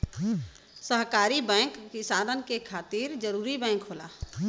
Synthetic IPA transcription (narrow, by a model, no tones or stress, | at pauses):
səɦkaːɾibɛ̃ːkːɪsaːd̪ənkekʰaːt̪iɾd͡ʒəɾuːɾibɛ̃ːŋkɦola̰ː